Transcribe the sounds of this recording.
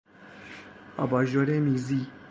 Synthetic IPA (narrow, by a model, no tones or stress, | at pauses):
ɑ̰ːbɑːʒoːɾeːmiːziː